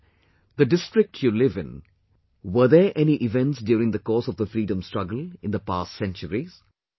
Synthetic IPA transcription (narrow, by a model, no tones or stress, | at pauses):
d̪əɖɪsʈɾɪk̚ʈʰjulɪvɪ̰̃n | ʋəðeʔɛniʔɪvɛ̃nʈsdjuːɾɪ̃ŋd̪əkɔːsɔvd̪əfɾiːɖə̃msʈɹʌɡəl̩ˠɪ̃nd̪əpaːstsɛ̃nt͡ʃəɾiz̥